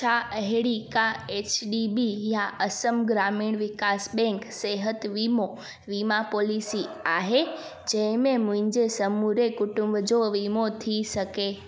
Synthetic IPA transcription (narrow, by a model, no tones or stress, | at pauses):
t͡ʃʰaəɦeɽikaet͡ʃɖibijaʔəsəmɡɾamiɳʋɪkasbɛ̃ŋkseɦət̪ʋimo | ʋimapolisiaɦe | d͡ʒemẽmũɲd͡ʒesəmuɾekuʈũmbd͡ʒoʋimot̪ʰiʃəke